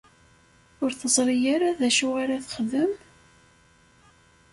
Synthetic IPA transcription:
ʊɾθəzˤɾijaɾaðæʃʊʁaɾaθəχðəm

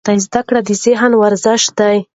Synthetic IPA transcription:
t̪ajzd̪akɽad̪izɪɦnwaɾzɪʃt̪̚d̪aj

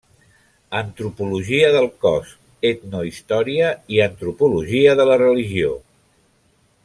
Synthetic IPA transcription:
ənt̪ɾupuluʒiəðəlˠkɔs | et̪noist̪ɔɾiəiənt̪ɾupuluʒiəðələrəliʒio

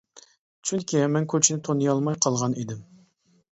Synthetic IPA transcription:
t͡ʃʰyŋkʲʰimɛnkʲʰøt͡ʃʰinɪt̪ʰonːɨjɑlˠmɑjqʰɑlˠʁɑned̪ɪm

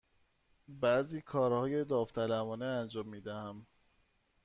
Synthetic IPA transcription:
bæziːkʰɒːɾhɒːje̞d̪ɒːft̪ʰælævɒːneænd͡ʒɒːmːiːd̪æhæm

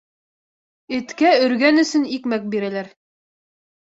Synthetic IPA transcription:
ɘ̆t̪kæɵ̆ɾɡænɵ̆sɵnikmæk̚biɾælæɾ

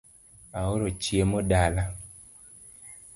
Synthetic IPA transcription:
aoɾot͡ʃjemɔdala

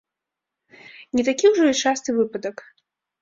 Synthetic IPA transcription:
nʲɛt̪akʲiwʐɔit͡ʂast̪ɨvɨpɐd̪ɐk

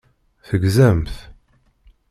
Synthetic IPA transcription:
θəɡzæmθ

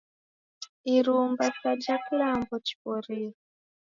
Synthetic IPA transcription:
iɾumbasad͡ʒaklambɔt͡ʃi̥pɔɾiːɔ

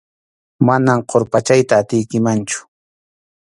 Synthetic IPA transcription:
manamqʰoɾpat͡ʃajt̪aːt̪ɪjkɪmant͡ʃʊ̥

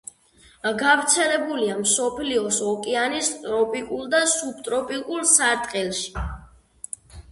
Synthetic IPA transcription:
ɡavɾt̪sʰɛlɛbuliamsɔpʰliɔsɔkʼɛanist̪ʼɾɔpʼikʼulˠd̪asub̚t̪ʼɾɔpʼikʼulˠsaɾt̪ʼqʼɛlˠʃi̥

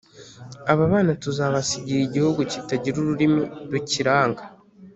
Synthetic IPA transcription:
aβaβaːnatuzaːβasiɟiɾiɟihoɡuci̥taɟiɾuɾuɾimiɾuciɾaːŋɡa

